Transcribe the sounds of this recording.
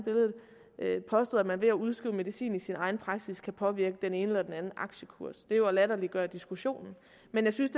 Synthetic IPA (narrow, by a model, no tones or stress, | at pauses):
b̥e̝ləð̞̩ˠ | ʔøpʰɒ̽sd̥o̰ːðˠmænʋe̝æuð̞ˠsɡ̥ʁḭʊme̝ðˠisḭːnisinɑ̈ɪn̩pʰʁɑ̈ɡ̥siskʰæpʰɒ̽ʋiɐɡ̥əd̥ene̝ːnəlɒd̥enænn̩ʔɑ̈ɡ̥ɕəkʰuɐsd̥e̝joælæɾ̥ɐliɡ̥ɶɐd̥isɡ̥uɕo̝̰ːnn̩ | menjɑɪsynsd̥e